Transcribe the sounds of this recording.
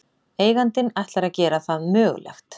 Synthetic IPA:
eːjɣant̪ɪnajht̪laɾaðcɛːɾaθaðmœːɣ̰lɛ̰xt̪

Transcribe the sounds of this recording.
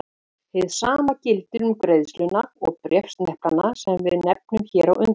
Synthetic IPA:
hɪðsaːmacɪlt̪ɪɾʏmkɾejðslʏnaɔɣpɾjɛfst̪nɛhplanasɛmvɪðnɛp̚nʏmçɛːɾawʏnt̪

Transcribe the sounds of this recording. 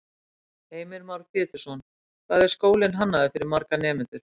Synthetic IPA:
eːjmɪɾmawɾfɪːt̪ɪ̥sɔn | kʰvaðɛɾ̥skoːwlɪnɦanːaðɪfɪɾɪɾmaɾkanɛːmɪnt̪ʏɾ̥

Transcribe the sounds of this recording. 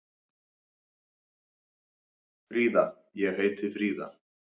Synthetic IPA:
fɾiːða | jɛɣheːjt̪ɪfɾiːða̰

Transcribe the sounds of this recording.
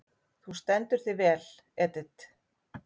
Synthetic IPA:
θust̪ɛnt̪ʏɾ̥θivɛːl | ɛːt̪ɪt̪

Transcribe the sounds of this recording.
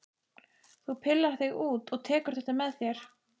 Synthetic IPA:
θupʰɪlːaɾ̥θɪɣuːt̪ɔɣt̪ʰɛːkʏɾ̥θɛht̪amɛðθjɛɾ̥

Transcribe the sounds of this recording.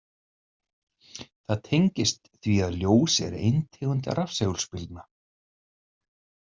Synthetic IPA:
θaðt̪ʰejŋcɪst̪θviaðljoːwsɛ̰ɾɪ̰ejnt̪ʰɛːɣʏnt̪ɪa̰ɾafsɛɣlspɪlt̪na

